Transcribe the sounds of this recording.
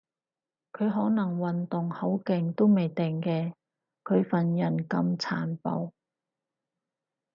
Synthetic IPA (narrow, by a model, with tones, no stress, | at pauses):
kʰɵ˨˧ɥɦɔː˨˥nɐ˨˩ŋwɐ˨nt̪ʊ˨˩ŋho˨˥wkɪ˨ŋt̪o˥wme˨jt̪ɪ˨˩ŋkɛː˧ | kʰɵ˨˧ɥfɐ˨njɐ˨˩nkɐ˧mt͡sʰa̰ː˨˩npo̰˨˧w